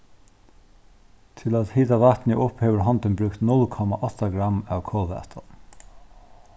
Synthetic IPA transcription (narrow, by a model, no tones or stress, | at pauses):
t̪ʰɪlæt̪hiːt̪aʋaht̪nɪʔʊpheːʋəɾɦɔnt̪ɪnbɾʉkt̪nʊlkʰɔmaʔɔt̪aɡɾamːæwkʰɔːʋæ̰t̪ʰɔ̰